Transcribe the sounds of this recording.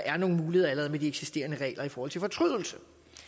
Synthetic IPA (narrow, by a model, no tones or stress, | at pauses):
ʔæɐno̝ːn̩muːliheðˠɐælɐʁɛðˠmed̥ieɡ̥si̥sd̥e̝̰ːɐnəʁɛ̰ːlɐifɒːhɒ̽l̰t͡sʰe̝fɒ̽t͡sʰʁyð̰ˠl̩sə